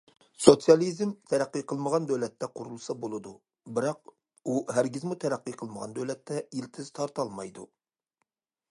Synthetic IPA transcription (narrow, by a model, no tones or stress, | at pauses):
sot̪sjɑlˠizmt̪ʰæɾæqːiqʰəlˠməʁɑnd̪øwlɛt̪ʰːɛqʰʊɾulˠsɑbolˠɨd̪u | bɨɾɑq | uɦæɾɡʲizmut̪ʰɛɾæqːiqʰəlˠməʁɑ̰nd̪øwlɛt̪ʰːɛilt̪ʰɪz̥t̪ʰɑɾt̪ʰɑlˠmɑjd̪u